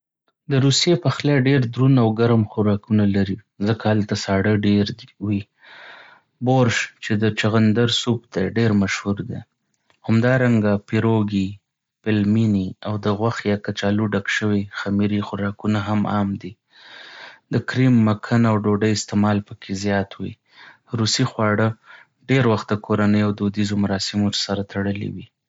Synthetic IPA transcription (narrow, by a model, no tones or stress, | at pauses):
d̪əɾusijepaxljɑɖeɾd̪ɾunawɡaɾmxʊɾɑkunalaɾi | zəkahalt̪asɑɽəɖeɾwi | boɾʃt͡ʃed̪ət͡ʃaɣand̪aɾsup̚t̪eɖeɾmaʃhuɾd̪e | hamd̪ɑɾaŋɡapɪɾoɡi | pɪlminiawd̪əɣwaxjɑkat͡ʃɑluɖakʃəwixamiɾixʊɾɑkunaɦamɑ̰md̪i | d̪əkɾimːakʰanawɖoɖəjɪst̪emɑlpəkʰezjɑt̪wḭ | ɾusixwɑɽə | ɖeɾwaxt̪̚d̪əkʰoɾanəjoawd̪od̪izomaɾɑsɪmotəsaɾat̪ʰaɽəlḭwi